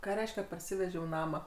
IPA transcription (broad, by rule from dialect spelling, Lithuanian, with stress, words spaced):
ˈkɑː ˈrʲɛɪʃʲkʲɛ pɐrʲˈsʲɪʋʲɛʒʲɛʊ ˈnɑːmɑː